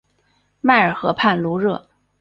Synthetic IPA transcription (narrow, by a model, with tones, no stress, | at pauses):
ma˥˩ɪə˞˨˩xɤ̰˧˥pʰa˥˩nlu˧˥ɻɤ˥˩